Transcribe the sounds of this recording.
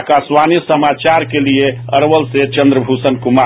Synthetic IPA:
kaswanisəmat͡ʃaɾkelieəɾʋəlset͡ʃə̃nd̪ɾəbʱusənkuma

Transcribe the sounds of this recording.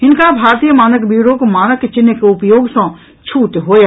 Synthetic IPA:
ɪnkabʱaːɾt̪iːjəmaːnəkbiːɾoːkmaːnəkːet͡ʃɪnːekeʊpjoːɡsõ | t͡ʃʰuːt̪ɦoːja

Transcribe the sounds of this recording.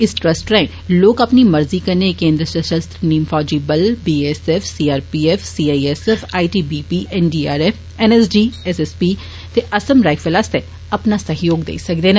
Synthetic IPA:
ɪsʈɾɐsʈɾɛ̃ | loːkɐpnimɐɾzikɐɾnekẽːnd̪ɾəʃəʃəst̪ɾniːmfaːd͡ʒibɐlbiːesɛfsiːaːɾpiːɛfsiːaːiesɛfaːiʈiːbiːpiːʔɛnɖiːaːɾeːfʰ | ɛnɛsd͡ʒiːɛsɛspiː | t̪eʔɐsəmɾaːɪfəlaːst̪e | ɐpnasɐɦjoːɡd̪ḛːsɐkd̪eːn

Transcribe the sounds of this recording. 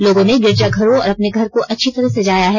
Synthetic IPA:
loːɡõneɡɪɾd͡ʒaɡʱɐɾõɔːɾɐpneɡʱɐɾkoʔɐtːʃʰit̪ɐɾəɦsed͡ʒaːjaɦɛː

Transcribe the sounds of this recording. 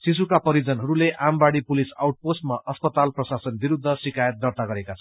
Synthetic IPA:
sis̬ukapʌɾid͡zʌnɦʌɾuleʔambaɽipulisa̰wʈ̚posʈmaʔʔʌspʌt̪alprʌsasʌnbiɾud̪ʱːʌsikajʌt̪̚d̪ʌrt̪aɡʌɾekat͡sʰʌ

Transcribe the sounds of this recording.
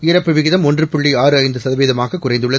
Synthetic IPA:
ɪɾɐpːɯʋɪɣɪðɐmɔndrɯpʊɭːiaːɾɯɐɪnd̪ɯsɐðɐʋeːðɐmaːɣɐkːʊrɐɪd̪ɯɭːɐ

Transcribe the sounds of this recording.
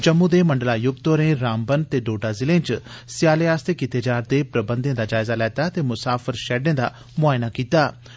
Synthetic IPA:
d͡ʒəmːũːd̪eːməɳɖəlaːjʊɡ̚t̪oɾẽːɾaːmbənt̪eːɖoːɖaːzɪlẽːt͡ʃsɪjaːleːaːst̪eːkiːt̪eːd͡ʒaːɾd̪eːpɾəbə̃nd̪ẽːd̪aːd͡ʒaːɪzaːlɛːt̪aːt̪eːmʊsaːpʰəɾʃɛːɖẽːd̪aː | mʊaːɪnaːkiːt̪aː

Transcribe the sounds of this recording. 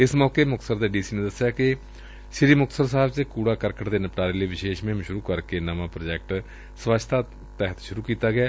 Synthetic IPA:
ɪsmɔːkemʊk̚t̪səɾd̪eːɖiːsiːnẽd̪əsjaːkɪ | ʃɪɾiːmʊk̚t̪səɾsaːbt͡ʃkuːɽaːkəɾkəʈd̪eːnəpʈaːɾeːləiːʋɪʃeːʃmẽmʃʊɾuːkəɾkenəʋãːpɾod͡ʒɛːk̚ʈ | sʋat͡ʃʰt̪ʰaː | t̪ɛːɦət̪ʃʊɾuːkiːt̪aːɡɪjaː

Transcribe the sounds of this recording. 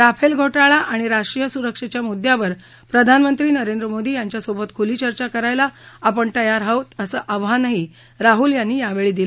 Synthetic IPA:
ɾapʰelɡʱoʈaɭaʔaɽ̃iɾaʂʈɾijəsuɾəkʂet͡ɕjamud̪ʱjaʋəɾ | pɾəd̪ʱanmənt̪ɾiːnəɾend̪ɾəmod̪iːjaɲt͡ɕjasobət̪kʰuliːt͡ɕəɾt͡ɕakəɾajlaapəɳt̪əjaɾɦəʋt̪əsəːʔəʋɦanaɦi | ɾaɦuːljanːiːjaʋeɭiːd̪ilə

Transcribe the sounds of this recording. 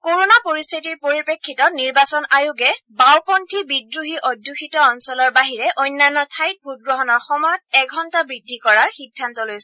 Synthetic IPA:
koɹonapoɹistʰitiɹpoɹipekʰːitɔniɹbasɔnajuɡɛbawpɔntʰibidɹuɦiʔɔdʱjuxʰitɔɔnsɔlɔɹbaɦiɹɛʔɔjnːanːɔtʰajk̚bʱut̚ɡɹɔɦɔnɔɹxɔmɔjɔtɛɡʱɔntabɹidʱːikɔɹaɹxiɡ̚dʱːantɔlojsɛ

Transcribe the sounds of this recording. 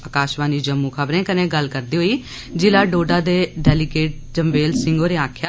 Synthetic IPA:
əkaːʃʋãːniːd͡ʒəmːũːkʰəbɾẽːkənẽːɡəlkəɾd̪iːɦoːiː | d͡ʒɪlaːɖoːɖaːd̪eːɖɛːlɪɡeːʈ̚d͡ʒəmʋeːlsɪ̃ŋɡoːɾeːãːkʰja

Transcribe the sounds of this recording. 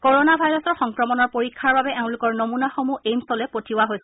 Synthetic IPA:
koɹonabʱajɹɔsɔɹxɔŋkɹɔmɔnɔɹpoɹikʰːaɹbabɛʔɛʊ̃lʊkɔɹnomunaxomuʔejmsɔlɛpotʰiwaɦojsɛ

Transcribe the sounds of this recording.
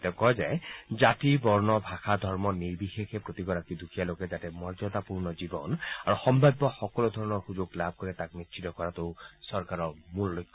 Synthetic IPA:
tɛkɔjzajzatibɔɹnɔbʱaxʰad̪ʱɔɹmɔnibixexɛpɹot̪iɡɔɹakid̪ʱukʰijalokɛzatɛmɔɹd͡ʒɔt̪apuɹnɔzibɔ̰naɹuxɔmbʱabːɔxɔkɔlud̪ʱɔɹɔnɔɹxuzoɡlab̚ʱkoɹɛtak̚mitt͡ʃʰitɔkɔɹatoʊsɔɹkaɹɔmullojkʰː

